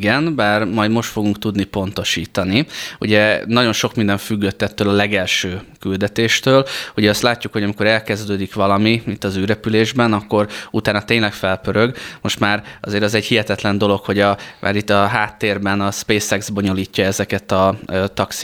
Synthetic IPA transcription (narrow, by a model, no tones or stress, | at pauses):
ɡɛnbaːrmɒjd̪mo̞ʃt̪fo̞ɡuŋkt̪ud̪nipo̞nt̪o̞ʃiːt̪ɒniṵɟɛnɒɟo̞nʃo̞kmind̪ɛɱfyɡːøt̪ːɛt̪ːøːlɒlɛɡɛlʃøːkyld̪ɛt̪eːʃt̪øːluɟɛɒst̪laːcːukho̞ɟɒmiko̞ɾɛlkɛzd̪øːd̪ikʋɒlɒmiit̪ːɒzyːɾɛpyleːʒbɛnɒkːo̞ɾut̪aːnɒt̪eːɲlɛkfɛlpøɾø̞ɡmo̞ʃt̪maːɾɒzeːɾɒzɛɟhiɦɛt̪ɛt̪lɛnd̪o̞lo̞kho̞ɟɒmʔa̰ːɾit̪ːɒɦaːt̪ːeːrbɛnɒspeːsɛɡzbo̞ɲo̞liːcːɒɛzɛkɛt̪ɒt̪ɒksi